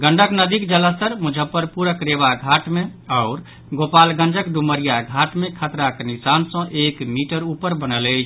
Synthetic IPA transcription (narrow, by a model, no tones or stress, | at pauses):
ɡəɳɖəknəd̪ikd͡ʒələsəɾmud͡ʒʱəpəɾpuɾəkɾeʋaɡʱaʈmeaʊɾ | ɡopalɡə̃nd͡ʒəkɖuməɾijaɡʱaʈmekʰət̪ɾaknisansə̃ʔekmiʈəɾupəɾbənələjt͡ʃʰ